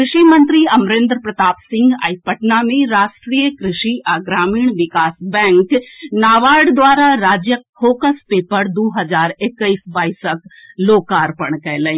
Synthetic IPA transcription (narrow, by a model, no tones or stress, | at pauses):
kɾɪʃimɐ̃nt̪ɾiɐmɾẽːnd̪ɾpɾɐt̪aːpsɪ̃ŋɡa̰ːjpɐʈnamẽɾaːsʈɾiːjəkɾɪʃiʔaːɡɾaːmiːɳ̃ʋɪkaːsbɛ̃ːŋknaːʋaːɽd̪ʋaːɾaɾaːd͡ʒjəkfoːkəspeːpəɾd̪oːɦɐd͡ʒaːɾɪkːəisbaːisək | loːkaːɾpəɳ̃kɛɦlə̃